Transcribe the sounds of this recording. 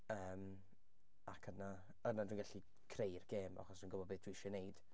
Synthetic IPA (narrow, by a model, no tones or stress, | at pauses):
əːm | akʰəna | ənadwinɡaɬi | kʰrejrɡ̥eːma̰χɔsd̥uinɡʊbɔd̚bɨːd̥wiɪʃɛnejd̥